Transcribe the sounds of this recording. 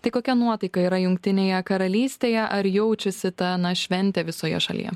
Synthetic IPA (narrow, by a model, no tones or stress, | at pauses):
t̪ɐɪkoːkʲɛnuɔt̪ɐɪkɐiːɾɐjʊŋkt̪ʲɪnʲeːjɛkɐɾɐlʲiːsʲt̪ʲeːjɛʔɐɾjɛʊt͡ʃʲɛsʲɪt̪ɐnɐʃʲʋʲɛnʲt̪ʲɛʋʲɪsoːjɛ̰ʃɐlʲḭjɛ̰